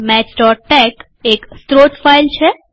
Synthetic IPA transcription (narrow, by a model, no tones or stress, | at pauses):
mɛt͡ʃʈɔʈɛk | ekst̪ɾoʈfailt͡ʃʰe